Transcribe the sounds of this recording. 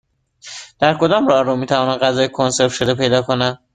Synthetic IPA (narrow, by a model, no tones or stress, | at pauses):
d̪̥æɾkʰo̞d̪ɒːmɾɒːɾomiːt̪ʰævɒːnæɢæzɒːjekʰonse̞ɾt̪ʃod̪epʰe̞jd̪ɒːkʰonæ